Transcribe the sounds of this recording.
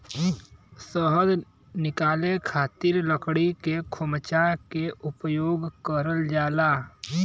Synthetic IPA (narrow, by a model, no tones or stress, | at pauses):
səɦəd̪ | nɪkaːlekʰaːt̪iɾləkɽikekʰʊmət͡ʃakeʔʊpjoːɡkəɾəld͡ʒaːlaː